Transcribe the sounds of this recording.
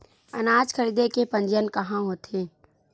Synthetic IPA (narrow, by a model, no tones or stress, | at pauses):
ɐ̰naːd͡ʒkʰəɾiːd̪ekepɐ̃ɲd͡ʒənkɐɦãɦoːt̪eː